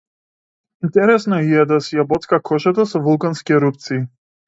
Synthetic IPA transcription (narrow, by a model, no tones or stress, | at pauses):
int̪ɛɾɛsnɔiɛd̪asijabɔt̪skakʰɔʒat̪asɔvulˠkanskʲiɛɾup̚t̪siː